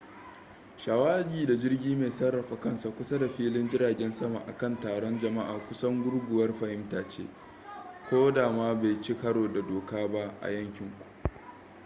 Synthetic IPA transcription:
ʃaː˨waː˦ɡʲiː˨da˨d͡ʒɪ˦rɡʲiː˦me˨sɐ˦rːɐ˨ɸa˨kɐ˦nsa˨kʷʊ˦sa˦da˨ɸiː˦lɪ˦nd͡ʒɪ˦ɾaː˨ɡʲɛ˦nsɐ˦ma̰˨ʔa̰˨kɐ˦˨ntaː˨ɽɔ˦nd͡ʒɐ˨ma˦ʔaː˨kʷʊ˦sɐ˦ŋɡʷʊ˦ɽɡʷʊ˨wɐ˦rɸɐ˨hɪ˦mtaː˨t͡ʃḛː˦ | kʷoː˦daː˨maː˦baː˨jt͡ʃi˦kɐ˦ɽoː˨da˨doː˨kaː˦ba˦ʔʔa̰˨jɐ˦ŋkʲɪ˨ŋkʷu̥˨ʔ

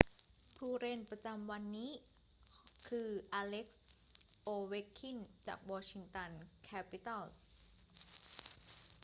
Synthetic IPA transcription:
pʰuː˧ɾe˧npɾa˧t͡ɕa˧mwa˧nːiː˦˥ | kʰɯː˧ʔaː˧le˦˥k̚s | ʔoː˧we˦˥kʰːi˥˩nt͡ɕa̰ː˨˩k̚wɔː˧t͡ɕʰi˧ŋt̪a˧nkʰɛː˦˥pi˧t̪a˥˩ls

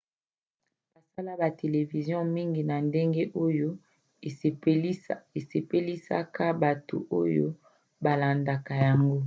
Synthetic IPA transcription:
b̥a˨sa˦la˦ba˨te˨le˨vi˨zjɔ̃˦mi˦ŋɡi˨na˨nde˦ŋɡe˦ʔo˦jo˦˨ | e˨se˨pe˦li˦sa˦ka˦ba˨to̰˨ʔo̰˦jo̰˦ | ba˨la˨nda˨ka˨ja˨ŋɡo˦

